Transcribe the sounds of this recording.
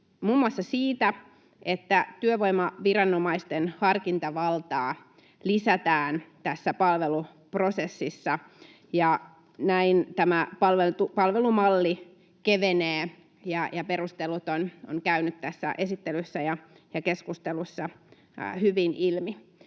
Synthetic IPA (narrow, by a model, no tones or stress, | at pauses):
muːmːuɑsːɑsiːt̪æ | ʔet̪ːæt̪yøʋoimɑʋirɑnːomɑist̪enhɑrkint̪ɑʋɑlt̪ɑː | lisæt̪æːnt̪æsːæpɑlʋelu | pro̞sesːisːɑ | jɑ | næint̪æmæpɑlʋelt̪upɑlʋelumɑlːi | keʋeneː | jɑjɑperust̪elut̪ono̰ŋkæynyt̪t̪æsːæ̰ʔesit̪ːelysːæjɑ | jɑkeskust̪elusːɑ | hyʋinilmi